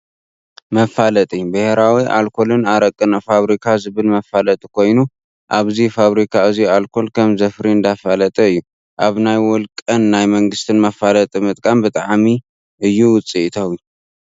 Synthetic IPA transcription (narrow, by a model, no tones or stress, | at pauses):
mɐfalɐt̪ʼibɨheɾawiʔa̰lkʰo̞lɨnaɾɐkʼːɨnafaβɾikʰazɨβɨlmɐfalɐt̪ʼikʰo̞jnu | ʔaβzifaβɾikʰaɨzialkʰo̞lkʰɐmzɐfɾiɨnd̪afalɐt̪ʼɐɨjːu | ʔaβnajwɔlkʼɐnːajmɐŋɡɨst̪ʰɨnmɐfːalɐt̪ʼimɨt̪ʼkʼambɨt̪ʼaʕmi | ʔɨjːuwʊt͡sʼiʔt̪ʰɐwji